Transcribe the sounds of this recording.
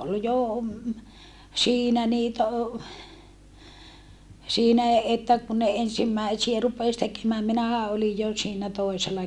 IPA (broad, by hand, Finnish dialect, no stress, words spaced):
ol jo siːnæ niːtæ o siːnæˑ etːæ ku ne ensimːæisiæ rupes tekemæːm minæhæ olij jo siːnæ toiselɑ